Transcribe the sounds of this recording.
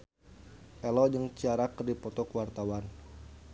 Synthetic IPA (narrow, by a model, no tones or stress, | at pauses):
ʔɛlɔd͡ʒəŋt͡ʃaɾakərdipɔt̪ɔkəwart̪awan